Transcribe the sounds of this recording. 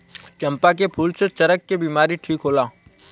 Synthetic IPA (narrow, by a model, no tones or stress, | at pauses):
t͡ʃɐ̃mpak̬epʰuːlset͡ʃɐɾəkːebiːmaːɾiʈʰiːkɦoːlaː